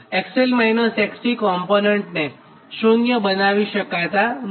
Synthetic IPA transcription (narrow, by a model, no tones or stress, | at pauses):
ɛkselmajnosɛksikɔmponeɳʈne | ʃoŋɡjəbənaʋiʃəkajt̪an